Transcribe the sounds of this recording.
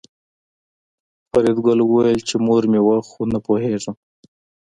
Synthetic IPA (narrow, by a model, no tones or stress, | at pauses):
faɾed̪ɡʊlwəwajəlt͡ʃemoɾmewaxonapoɦeʐə